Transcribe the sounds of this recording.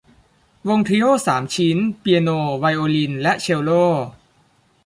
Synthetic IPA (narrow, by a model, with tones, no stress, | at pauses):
wo˧ŋt̪ʰi˧joː˥˩saː˩˦mt͡ɕʰi˦˥npi˧noː˧wa˧jʔoː˧li˧nlɛ˦˥ʔt͡ɕʰe˧wloː˥˩